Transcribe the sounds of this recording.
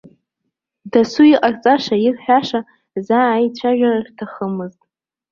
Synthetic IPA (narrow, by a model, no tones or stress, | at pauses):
dasuiqʼart͡sʼaʂairħʷᶣaʂa | zaːjt͡ɕʷʰaʒᶣarartʰaχəmɨztʼ